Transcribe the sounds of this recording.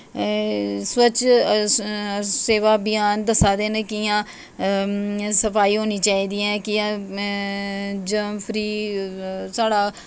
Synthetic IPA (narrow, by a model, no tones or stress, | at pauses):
swət͡ʃ | seːʋaːbɪjaːnd̪əsaːd̪eːnekɪjãː | səpʰaːiːɦoːniːt͡ʃaːiːd̪iːɛ̃ːkɪjãː | d͡ʒəmpʰɾiː | saːɽaː